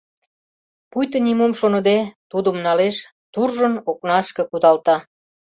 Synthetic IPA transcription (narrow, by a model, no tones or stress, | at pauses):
pujt̪ənimumʃonə̆d̪et̪ud̪əmnɑleʃ | t̪urʒənoknɑʃkĕkud̪ɑlt̪ɑ